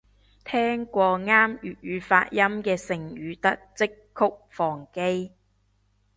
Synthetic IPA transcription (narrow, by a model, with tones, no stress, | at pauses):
t̪ʰɛː˥ŋkʷɔː˧ŋaː˥mjy̰ː˨t̚ɥyː˨˧faː˧t̚jɐ˥mkɛː˧sɪ˨˩ŋɥyː˨˧t̪ɐ˥k̚t͡sɪ˥kʰːʊ˥k̚fɔː˨˩ŋke˥j